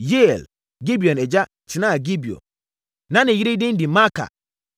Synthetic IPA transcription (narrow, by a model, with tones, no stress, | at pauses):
je˦˨l | ɡi˦bi˨ɔ˨nɛ˨d͡ʒa˦ | t͡ʃi˨na˦˨ɡi˦bi˨ɔ̰˨n | na˦ni˨ji˦ɾi˦di˦n˦di˨ma˦ka̰˨